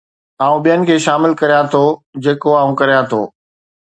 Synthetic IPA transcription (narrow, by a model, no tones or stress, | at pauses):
aːũɓijənɪ̆kʰeːʃaːmɪlkɐɾijãt̪ʰod͡ʑeːkoaːũkɐɾijãt̪ʰoː